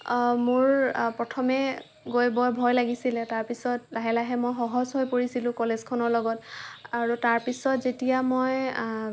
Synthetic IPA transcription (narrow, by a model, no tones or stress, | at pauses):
mʊɹpɹɔtʰɔmɛ | ɡojbɔjbʱɔjlaɡisilɛtaɹpisɔtlaɦɛlaɦɛmojxɔɦɔzɦojpoɹisilʊ̃kɔlezkʰɔnɔɹlɔɡɔtaɹutaɹpisɔtzetijamoj